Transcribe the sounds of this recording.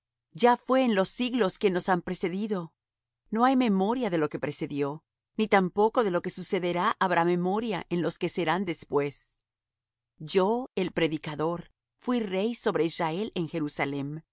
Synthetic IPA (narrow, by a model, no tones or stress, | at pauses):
d͡ʒafwe̞ːnlo̞sːiɣlo̞ske̞no̞sampɾe̞se̞ðiðo̞ | no̞ajme̞mo̞ɾjaðe̞lo̞ke̞pɾe̞se̞ðjo̞ | nit̪ampo̞ko̞ðe̞lo̞ke̞suse̞ðe̞ɾaʔaβɾʔame̞mo̞ɾjaʔenlo̞ske̞se̞ɾand̪e̞spwe̞s | ɟ͡ʝo̞e̞lpɾe̞ðikaðo̞ɾ | fwire̞jso̞βɾe̞izrae̞le̞ŋxe̞ɾusalem